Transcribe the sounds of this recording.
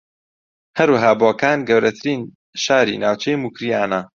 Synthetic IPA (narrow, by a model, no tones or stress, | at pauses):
hɐɾwɐɦaːboɐkaːnɡɐwɾɐt̪ʰɨɾiːn | ʃaːɾḭːnaːwt͡ʃʰɛjmuːkɾijaːnɐ